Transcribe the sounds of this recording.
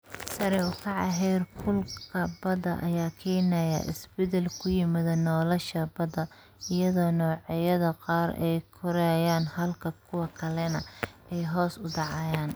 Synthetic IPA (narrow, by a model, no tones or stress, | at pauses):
sɐɾɛʊkʰɐʕɑ̰ɦɛːrkʰʊlkʰɐbɐðɐʔɐ̰jaːkʰɛːnɐjɐ̰ʔɪ̰sbɛd̪ɛlkʰʊjɪmɪðɐnɔːlɐʃɐbɐd̪ɐ | ɪjɐðɔːnɔːʕɑjɐðɐqɑːɾɛjkʰʊɾɛjaːnhɐlkʰɐkʰʊwɐkʰɐlɛnɐʔɛjɦɔːsʊd̪ɑʕɑːjaːn